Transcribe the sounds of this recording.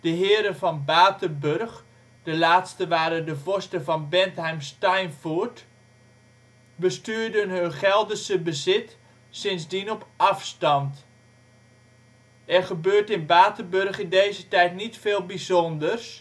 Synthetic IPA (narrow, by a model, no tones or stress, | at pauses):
d̥əɦɪːɾənvɑnbaːtərbørχ | d̥əlaːtstəʋaːɾəndəvɔstəvɑnbɛntɦɛjmstajnfuɹt | bəstyːɹdənɦønχɛlˠdəsəbəzɪt | sɪnzdinɔpʔɑfstɑnt | ɛrχəbøːɹtɪnbaːtərbørχɪndejzətɛjtnitfeːlˠbizɔndərs